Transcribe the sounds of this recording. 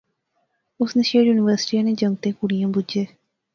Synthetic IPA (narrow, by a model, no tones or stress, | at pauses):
ʊsnəʃeːɖjuːnɪʋəɾsɪ̥ʈiːãːneːd͡ʒəŋɡ̚t̪eːkʊɽijãːbʊd͡ʒeː